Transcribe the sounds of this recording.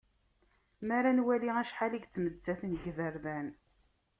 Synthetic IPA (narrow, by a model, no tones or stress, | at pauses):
mæɾanwæliæʃħaliɡt͡sːmədt͡sːæθnɡvəɾðæn